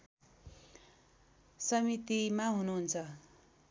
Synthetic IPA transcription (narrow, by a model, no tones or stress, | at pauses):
sʌmit̪imaɦunuɦunt͡sʰʌ